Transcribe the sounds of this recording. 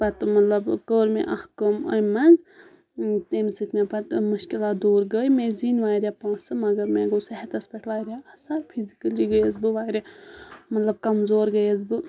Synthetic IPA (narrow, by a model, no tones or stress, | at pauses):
pɐt̪mɐt̪lɐbkəːɾmḛ̃ʔɐhkɐmɐ̰jmɐnz | t̪eːmsɨt̪ʰʲmẽpɐt̪mɨʃkilaːt̪̚d̪oːɾɡəːjmẽːzinʋaːɾʲjaːpãːsɨmɐɡɐɾmẽːɡosɛɦɐt̪ɐspeʈʰʋaːɾʲjaːɐsapʰizikɐliɡəjəzbɨʋaːɾemɐt̪lɐb̚kɐmzoːɾɡəjɐz̬bɨ